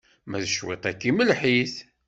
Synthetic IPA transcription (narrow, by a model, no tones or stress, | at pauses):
mæðəʃwḛt̪ˤækːiməlħiθ